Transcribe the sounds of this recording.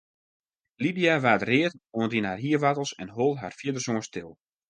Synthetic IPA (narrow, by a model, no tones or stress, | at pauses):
lidijaʋaːtrɪətoəndinarɦiəʋatəl̩ˠsɛnɦolˠɦa̰rfjiədərsoənstɪlˠ